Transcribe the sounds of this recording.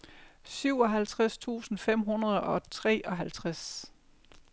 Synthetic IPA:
syʊ̰ɒ̽ɦælt͡sʰʁast͡sʰṵːsn̩fem̰ɦunɐð̞ˠɒ̽t͡sʰʁɛ̰ːʔɒ̽ɦælt͡sʰʁas

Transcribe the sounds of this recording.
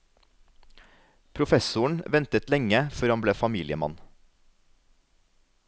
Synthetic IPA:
pʰɾʊfɛsʊɳ̩ʋɛnt̪ət̪lɛŋəfœɾhɑmbleːfɑmiːlɪəmɑ̰n

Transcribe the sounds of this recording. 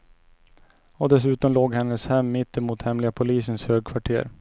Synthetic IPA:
ɔd̪ɛs̬ʉ̟ːt̪ɔmloːɡhɛnːəshɛmːɪt̪ːɪmuːt̪hɛmlɪɡapʰʊliːsənshøːɡ̚kʰvaʈʰḛːɾ

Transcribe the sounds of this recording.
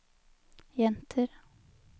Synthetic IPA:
jɛnt̪ʰəɾ

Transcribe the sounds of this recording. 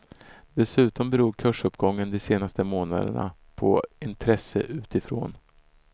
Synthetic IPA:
d̪̥ɛsʉ̟ːt̪ɔmbɛɾuːɾkʰɵʂɵpːɡɔŋːənd̪ɔseːnast̪əmoːna̰d̪ə̰ɳa̰ | pʰɔ̰ɪnt̪ʰɾɛsːə̰ʔʉ̟ːt̪ɪfɾo̰ːn

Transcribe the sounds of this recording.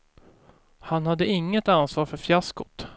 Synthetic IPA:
hanhad̪ːəɪŋːət̪ansvɑːɾfœɾfjaskʊt̪

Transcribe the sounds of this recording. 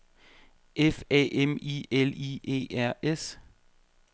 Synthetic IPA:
efɛ̰ːʔemḭeliʔe̝̰ːæɐ̰es

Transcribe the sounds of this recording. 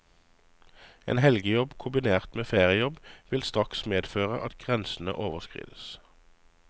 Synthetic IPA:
ḛːnhɛlɡəjɔbkʰʊmbɪneːʁt̪meːfeːʁɪəjɔbʋɪlst̪ʁɑksmeːd̪føːʁəʔɑt̪ɡ̥ʁɛnsn̩ə̰ʔoːʋəʁskʁḭːd̪əs

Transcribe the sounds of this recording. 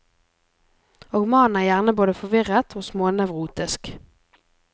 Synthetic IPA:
oːɡmɑːnæːʁjæːʁnəboːd̪əfɔʋɪʁət̪ʰoːsmoːnœʋʁuːt̪ɪsk

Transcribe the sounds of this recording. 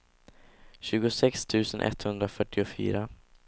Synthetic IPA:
ɕʉ̟ːɡʊsɛkst̪ʰʉ̟ːsənʔɛ̰t̪hɵnd̪ɾafœʈːɪʊfy̰ːɾa

